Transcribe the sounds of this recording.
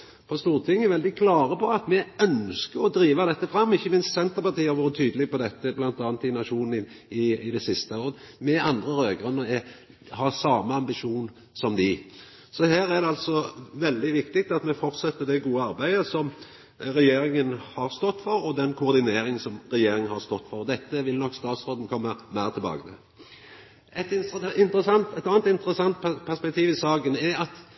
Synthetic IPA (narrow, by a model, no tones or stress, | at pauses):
pʰɔst̪uːʁt̪ʰɪŋːɛʋɛld̪ɪkʰlɑːɾəpʰɔɑt̪mɛœnskəɾɔd̪ɾiːʋɑd̪ɛt̪ːəfɾɑmːɪçːəmɪnst̪sɛnt̪əɾpɑʁt̪iːɛɾʋoːɾət̪ʰyːd̪əlɪɡpɔd̪ɛt̪ːəblɑnt̪ɑːnt̪ɪnɑʂuːnn̩ɪ | ɪɪd̪ɛsɪst̪əoːɾən | mɛʔɑnd̪ɾəɾøːɡɾʉnːəɾɛ | hɑsɑːmːəɑmbɪʂuːn | sɔmd̪ɪ | sɔhæːɾæd̪ɛɑlt̪sɔʋɛld̪ɪʋɪkt̪ɪk̚t̪ɑt̪mɛfɔʁt̪sɛt̪ːəd̪ɛɡuːəɑɾbæɪd̪əsɔm | ɾɛjeːɾɪŋənhɑʁst̪ɔt̪ːfɔɾɔd̪ɛnkʰʊʊʁd̪ɪneːɾɪŋsɔmɾɛjeːɾɪŋnhɑʁst̪ɔt̪ːfɔʁɔd̪ɛt̪ːəʋɪlnɔkːst̪ɑːt̪sʁoːd̪n̩kʰɔmːəmæɪʁt̪ʰɪlbɑ̰ːɡət̪ʰɪ̰l | ɛt̪ɪɪnt̪əsɑnt̪ɛt̪ɑːnt̪ɪnt̪əɾəsɑnt̪ppʰæʁspɛk̚t̪ʰiːʋɪsɑːkənɛɑt̪